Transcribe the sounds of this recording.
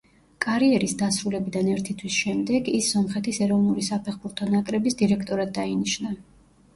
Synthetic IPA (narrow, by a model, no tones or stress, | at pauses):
kʼaɾiɛɾisd̪asɾulɛbid̪anɛɾt̪ʰit̪ʰwisʃɛmd̪ɛɡisːɔmχɛt̪ʰisɛɾɔvnuɾisapʰɛχbuɾt̪ʰɔnakʼɾɛbisd̪iɾɛkʰt̪ʼɔɾad̪̚ːainiʃna